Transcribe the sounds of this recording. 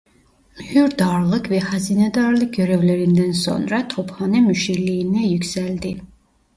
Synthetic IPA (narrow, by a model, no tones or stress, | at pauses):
myhyɾd̪ɑɾlˠɯkvɛhæzinɛd̪ɑɾlˠɯk̚ɡøɾøvleɾind̪ænso̰nɾɑt̪ʰophɑnɛmyʃilijinɛjykʲsæld̪i